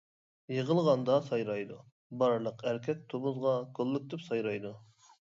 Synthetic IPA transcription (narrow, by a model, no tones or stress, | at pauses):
jəʁəlˠʁɑnd̪ɑsɑjɾɑjd̪u | bɑɾlˠəqæɾkʲʰɛk̚ʲt̪ʰomuzʁɑkʰolˠːɪk̚ʲd̪ɪpsɑjɾɑjd̪u